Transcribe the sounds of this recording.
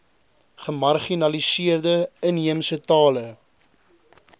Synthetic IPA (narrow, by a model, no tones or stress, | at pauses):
χəmɐrχinɐlisiərdəəniəmsətɑːlə